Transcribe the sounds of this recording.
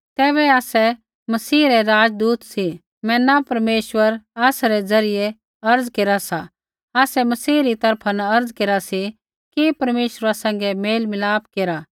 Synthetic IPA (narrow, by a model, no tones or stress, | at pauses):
t̪ɛːβɛaːsɛ | mɐsiːɾɛɾaːd͡ʒd̪uːt̪si | mɛ̃napɐɾmeːʃwəɾaːsɾɛd͡zɐɾɪje | ɐɾd͡zkeːɾasa | aːsɛmɐsiːɾit̪ɐɾpʰanaɐɾd͡zkeːɾasi | kipɐɾmeːʃəɾasɐ̃ŋ̆ɡɛmeːlmɪlaːp̚keːɾa